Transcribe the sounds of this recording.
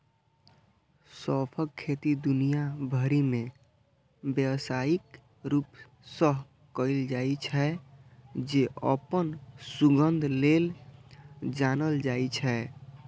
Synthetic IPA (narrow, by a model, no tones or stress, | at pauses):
sɔpʰəkʰːet̪id̪unijabʱəɾime | bjəwsaik | ɾup | səɦ | kəjld͡ʒait͡ʃʰɛ | d͡ʒeə̰pənsuɡənd̪ʱlel | d͡ʒanəld͡ʒajt͡ʃʰɛ